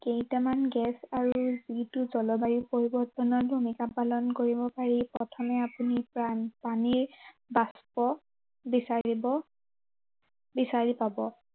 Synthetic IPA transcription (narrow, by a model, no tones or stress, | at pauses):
kejtamanɡɛsaɹuzituzɔlɔbajupoɹibɔɹtɔnɔɹbʱumikapalɔnkoɹibɔpaɹipɹɔtʰɔmɛapunipaniɹ | baspɔ | bisaɹibɔ | bisaɹipabɔ